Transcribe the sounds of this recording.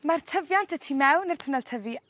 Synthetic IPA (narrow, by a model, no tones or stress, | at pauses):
martʰəvjantʰətʰimɛwnir̥tʰʊnɛlˠtʰəvi